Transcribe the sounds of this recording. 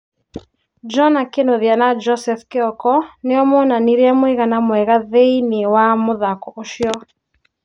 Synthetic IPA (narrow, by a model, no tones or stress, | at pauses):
d͡ʒɔnakenoðjanad͡ʒɔsɛfkeɔkɔneɔmɔnaniɾeamweɣanamwɛɣaðeinewamoðakɔoʃjɔ